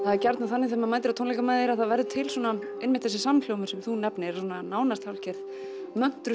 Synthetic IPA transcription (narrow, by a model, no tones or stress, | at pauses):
θaðɛɾcaɾt̪naθanːɪθɛːmamaːjt̪ɪɾawt̪ʰownlɛkamaːjðɪɾaðθaðvɛɾðʏt̪ʰɪlswɔːna | ɪnmɪnt̪θɛsɪsamfljowmʏ̥sɛmθunɛpnɪɛɾsɔnanaːwnast̪hawlcɛɾθ | mœn̥t̪ɾʏ